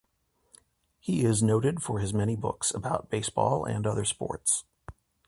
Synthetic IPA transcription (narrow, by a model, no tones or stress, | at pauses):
hiɪznoʊɾɨdfə˞ɨzmɛɾ̃ibʊ̰ksəbaʊt̚b̥eɪsb̥ɔ̰lˠɨ̰̃nʌðə˞spɔ̰ɹts